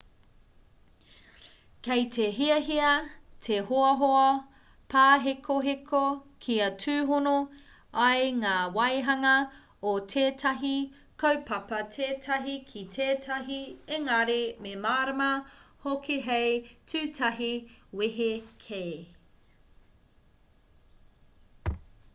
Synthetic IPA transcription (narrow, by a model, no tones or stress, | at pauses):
kejtʰeɦiɐɦiɐtʰehoɐɦoɐ | paːɦekʰoɦekʰokʰiɐtʰʉːɦono | ɐjŋaːwɐjɦɐŋɐ | otʰeːtʰɐɦi | kʰowpɐpɐtʰeːtʰɐɦikʰitʰeːtʰɐɦieŋɐɾememaːɾɐmɐhokiɦejtʰʉːtʰɐɦiweɦekʰeː